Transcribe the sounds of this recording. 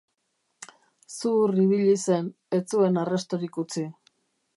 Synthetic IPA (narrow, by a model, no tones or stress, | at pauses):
suriβ̞iʎise̞n | et͡sue̞narest̪oɾikut͡si